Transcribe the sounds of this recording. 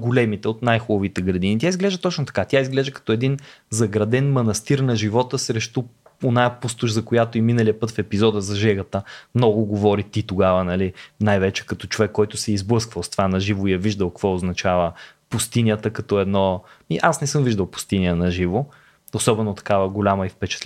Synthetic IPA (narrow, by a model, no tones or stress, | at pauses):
ɡolɛmit̪ɛot̪najxubɐvit̪ɛɡɾɐd̪init̪ʲjaizɡlɛʒət̪ɔt͡ʃnot̪ɐ̥kat̪jaizɡlɛʒd̪əkɐ̥t̪ɔɛd̪inzɐɡɾɐd̪ɛnmɐnɐst̪iɾnɐʒivɔt̪əsɾɛʃt̪uonajpust̪ʊʃzɐkojat̪oiminəliəpɤt̪fɛpizɔd̪əzɐʒɛɡət̪əmnɔɡʊɡovɔɾit̪it̪oɡavənɐlinajvɛt͡ʃɛ̥kɐt̪ɔt͡ʃovɛkːɔjt̪ʊsɛizblˠɤskvəlˠst̪o̥vanɐʒivʊijɛviʒd̪əlˠkkvɔoznɐt͡ʃavə | pʊst̪iniət̪əkɐt̪ɔɛd̪nɔmiʔasnɛsɤmviʒd̪əlˠpʊ̥st̪iniənɐʒivo | osɔbɛnot̪ɐ̥kavəɡolʲaməifpɛt͡ʃɛ̥t̪l